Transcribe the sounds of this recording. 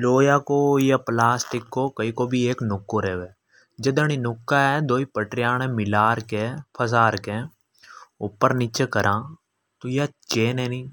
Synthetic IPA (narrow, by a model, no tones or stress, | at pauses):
loːjaːkoːjaplaːsʈɪkːoːkəikobʱieːknʊkːoɾeːʋeː | d͡ʒəd̪əñinʊkːaɛd̪oːipəʈɾɪjaːñẽmɪlaːɾkepʰəsaːɾkẽ | ʊpːəɾnɪt͡ʃekəɾʔãː | t̪ojat͡ʃeːneːniː